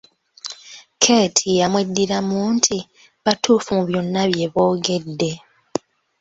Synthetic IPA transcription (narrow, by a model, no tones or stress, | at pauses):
kʰe̞ːtʰijamwe̞dːiɾamuːntʰi | βatʰuːfumuβjo̞nːaβje̞βo̞ːɡe̞dːe̞